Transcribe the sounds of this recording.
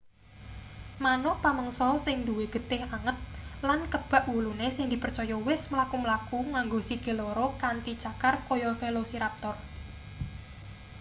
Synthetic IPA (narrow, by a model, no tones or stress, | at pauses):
manɔpaməŋsɔsɪŋd̪uweɡ̥ə̤t̪ɪhaŋət̪̚lankəb̥a̤ʔwulunesɪŋd̪i̤pərt͡ʃɔjɔwɪsməlakuməlakuŋaŋɡosiɡ̥e̤lɔɾɔkant̪it͡ʃakarkɔjɔfelosiɾap̚t̪ɔr